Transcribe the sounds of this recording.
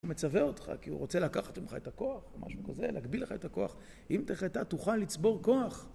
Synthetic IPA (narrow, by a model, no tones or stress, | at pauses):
met͡saveo̞tχa̰kiṵʁo̞t͡se̞lakaχḁt̪imχa̰etako̞aχma̰ʃukazḛlḛːkbileχaetako̞a̰χ | imteχat̪atuχalːit͡sbo̞ʁko̞aχ